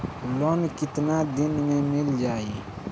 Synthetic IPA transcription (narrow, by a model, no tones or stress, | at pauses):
loːnkɪt̪nad̪ɪnmẽmɪld͡ʒaːiː